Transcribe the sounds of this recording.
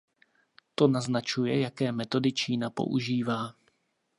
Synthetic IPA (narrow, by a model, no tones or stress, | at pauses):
t̪o̞naznat͡ʃujɛjakɛːmɛt̪o̞dɪt͡ʃiːnapo̞̰ʔuʒiːvaː